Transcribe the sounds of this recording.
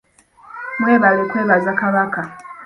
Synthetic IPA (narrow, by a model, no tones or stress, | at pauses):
mweːβalekweːβazakaβaka